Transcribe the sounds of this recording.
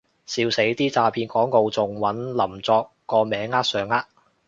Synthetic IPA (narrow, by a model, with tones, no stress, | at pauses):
siː˨˧wse˨˥jt̪iː˥t͡saː˨˧pʰiː˧nkʰɔː˨˥ŋko˨˧wt͡sʊ˨˩ŋwɐ˨˥nlɐ˨˩mt͡sɔː˧kːɔː˧mɛː˨˥ŋːaː˥t̚sœː˨ŋaː˥t̚